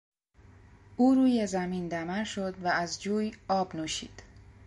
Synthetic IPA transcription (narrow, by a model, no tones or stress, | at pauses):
ʔuːɾuːje̞zæmiːnd̪æmæɾʃo̞d̪væːzd͡ʒuːjɒːbnuːʃḭːd̪̥